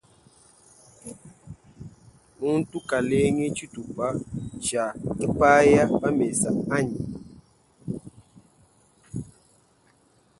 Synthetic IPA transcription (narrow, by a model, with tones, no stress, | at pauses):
mu˦n̩˦tu˦ka˨le˦ŋe˦t͡ʃu˦tu˨pa˦t͡ʃa˨kɛ˦pa˦ja˦pa˦me˨sa˨ʔa˦ɲi˨